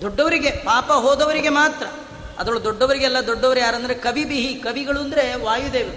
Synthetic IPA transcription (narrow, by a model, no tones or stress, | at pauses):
d̪ɔɖːɐʋɐɾiɡe̞paːpɐɦoɔːd̪ɐʋɐɾiɡe̞maːt̪ɾɐ | ɐ̰d̪ɾɐɭud̪ɔɖːɐʋɐɾiɡeɛlːɐd̪ɔɖːɐʋɐɾejaːɾɐnd̪ɐɾekɐbibiɦikɐbiɡɐɭuɐnd̪ɾe̞ʋaːjud̪eːʋiu